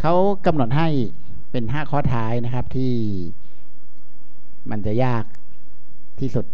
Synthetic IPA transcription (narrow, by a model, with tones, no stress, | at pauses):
kʰa˦˥w | ka˧mno˨˩t̪̚ɦa˥˩j | pe˧nɦaː˥˩kʰɔː˥˩t̪ʰaː˦˥jna˦˥kʰa˦˥p̚t̪ʰiː˥˩ | ma˧nt͡ɕa˨˩jaː˥˩k̚ | t̪ʰiː˥˩su˨˩t̪̚